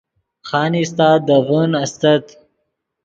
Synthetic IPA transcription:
xaːnist̪aːd̪ɐvənɐst̪ɐt̪

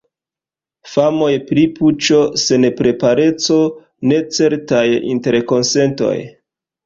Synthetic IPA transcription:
famo̞jpɾiput͡ʃo̞se̞npɾe̞paɾe̞t͡so̞ | ne̞t͡se̞ɾtajḭnte̞ɾko̞nse̞nto̞̰j

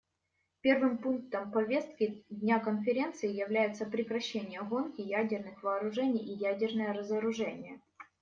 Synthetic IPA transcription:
pʲe̞rvɨmpunk̚t̪əmpɐvʲe̞st̪̚kʲɪdʲnʲakənfʲɪɾʲe̞nt̪sɨɪjɪvlʲæjɪt̪səpɾʲɪkɾɐɕːenʲɪjəɣo̞nkʲɪjædʲɪrnɨxvɐːɾʊʐɛnʲɪjijædʲɪrnəjəɾəzəɾʊʐɛnʲɪjə

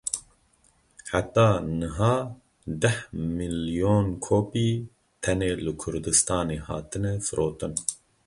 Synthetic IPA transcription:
ħat̪ːɑːnɨɦɑː | d̪ɛhmilijoːnkʰoːpiː | t̪ʰɛneːlɨkʰʊɾd̪ɨst̪ɑːneːhɑ̰ːt̪ɨnɛfɨɾʔoːt̪ɨn

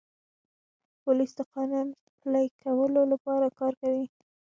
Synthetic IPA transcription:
pʊlisd̪əqɑnun | plajkʰawəlolapɑɾakɑɾkawi

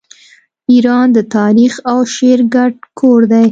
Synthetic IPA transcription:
iɾɑnd̪ət̪ɑɾixawʃeɾɡaɖ̚kʰoɾd̪aj

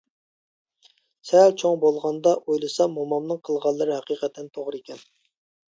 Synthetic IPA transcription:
sɛlt͡ʃʰoŋbolˠʁɑnd̪ɑʔojlˠɨsɑmomɑmnɨŋqʰəlˠʁɑnlˠːɨɾɨɦɛqiqʰɛt̪ʰːɛnt̪ʰoʁɾɨekʲɛn

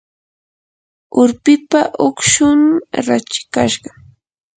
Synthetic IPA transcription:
ʊɾpɪpaʔʊkʃʊmɾat͡ʃɪ̥kaʃɢɑ

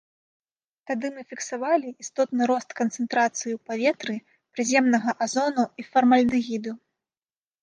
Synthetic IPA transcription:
t̪ad̪ɨmɨfʲiksavalʲiist̪ɔt̪nɨɾɔst̪kɐnt̪sɨnt̪ɾat̪sɨjipavʲɛt̪ɾɨ | pɾɨzʲɛmnɐɣɐʔazɔnuifɐrmɐlʲnɨɣʲid̪u

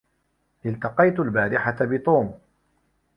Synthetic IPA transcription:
ʔɪlt̪ɑqɑjt̪albaːɾɪħat̪abɪt̪ˤuːm

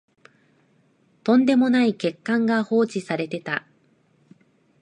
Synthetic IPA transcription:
t̪õ̞nd̪e̞mo̞naike̞kːãŋɡaho̞ːt͡ɕisaɾe̞t̪e̞t̪a

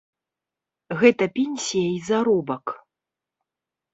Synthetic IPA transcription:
ɣɛt̪ɐpʲenʲsʲijɐizaɾɔbɐk

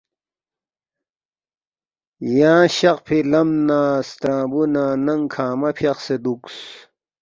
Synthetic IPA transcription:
jãːɕɐqpʰilɐmnaːst̪ɾãːbunaːnɐŋkʰaːmɐpʰjɐqsed̪uks

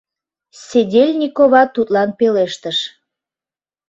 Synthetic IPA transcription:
sʲedʲelʲnʲikoβɑt̪ut̪lɑnpeleʃt̪əʃ

